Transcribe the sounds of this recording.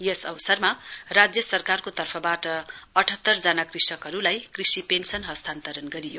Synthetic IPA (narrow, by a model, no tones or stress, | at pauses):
jʌsʌwsʌrmarad͡zjʌsʌrkarkot̪ʌrpʰʌbaʈʌʌʈʰʌt̪ːʌrd͡zanakrisʌkɦʌɾulajkrisipensʌnɦʌst̪ʰant̪ʌɾʌnɡʌɾijo